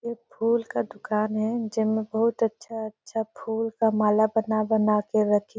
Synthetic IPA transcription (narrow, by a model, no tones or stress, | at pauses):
eːpʰuːlkad̪ʊkaːnɦɛd͡ʒɪmẽbɐɦʊt̪ɐtːʃʰaɐtːʃʰapʰuːlkamaːlabɐnabɐnakeɾɐkʰi